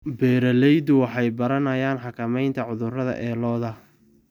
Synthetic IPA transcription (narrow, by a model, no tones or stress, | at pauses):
bɛːɾɐlɛjd̪ʊwɑħɑjbɐɾɐnɐjaːnħɑkʰɐmɛjnt̪ʰɐʕʊðʊrɐðɐ̰ʔɛːlɔːðɐ